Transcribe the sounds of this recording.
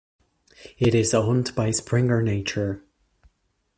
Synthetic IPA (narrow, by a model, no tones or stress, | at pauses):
ɪɾɪzɦʊ̃ntb̥aɪspʰɹɪ̃ŋə˞neɪt͡ʃə˞